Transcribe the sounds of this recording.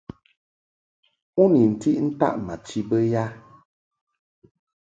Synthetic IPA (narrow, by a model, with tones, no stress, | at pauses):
u˦ni˨n̩˨ti˦ʔn̩˦ta̰˦ʔma˨t͡ʃi˦bə˦ja˦